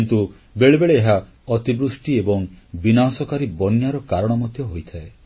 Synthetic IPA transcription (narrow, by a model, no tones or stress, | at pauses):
int̪u | beɭebeɭeːɦa | ɔt̪ibɾusʈiebɔŋbinasɔkaɾibɔnjaɾɔkaɾɔɽ̃ɔmɔd̪ʱjɔɦojt̪ʰae